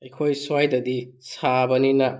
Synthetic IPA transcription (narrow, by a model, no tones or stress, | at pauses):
ɐjkʰojswajdɐdisabɐninɐ